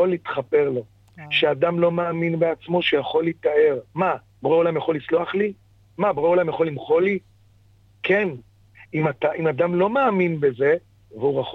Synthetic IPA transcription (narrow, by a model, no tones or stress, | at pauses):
olit̪χape̞ʁlo̞ | ʃeadamlo̞maːminbeat͡smo̞ʃejaχo̞litae̞ʁma | bʁeolamjaχo̞lit͡sloaχli | mabʁeolamjaχo̞limχo̞li | kʰen | imat̪aʔimadamlo̞meːminbe̞ze̞ | veuʁaχ